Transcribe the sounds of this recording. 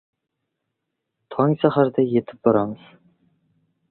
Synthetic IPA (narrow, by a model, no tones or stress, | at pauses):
t̪ʰɑŋsaχaɾd̪ɑjet̪ʰɪ̥p̚boɾɑməz̥